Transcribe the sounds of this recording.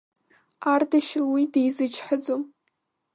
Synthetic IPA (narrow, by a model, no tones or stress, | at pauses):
ardaʃɪlwidejzɨt͡ʃʰħəd͡zom